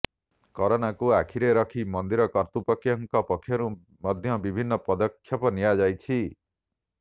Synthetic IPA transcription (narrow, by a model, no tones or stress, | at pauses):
kɔɾɔnakuakʰiɾeɾɔkʰimɔnd̪iɾɔkɔɾt̪upɔkʰːjɔŋkɔpɔkʰːjɔɾu | mɔd̪ʱjɔbibʱinːɔpɔd̪ɔkʰːjɔpɔnijad͡ʒajt͡ʃʰi